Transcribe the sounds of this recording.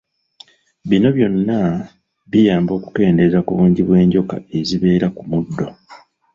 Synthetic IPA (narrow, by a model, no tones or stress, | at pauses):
βino̞βjo̞nːa | βijaːmbo̞ːku̥ke̞ːnde̞zakuβuːɲɟiβwe̞ːɲɟo̞ka̰e̞ziβe̞ːɾakumudːo̞